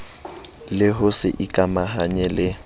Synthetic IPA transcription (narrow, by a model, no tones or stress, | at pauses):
lɪɦʊsɪʔikʼamaɦaɲɛlɪ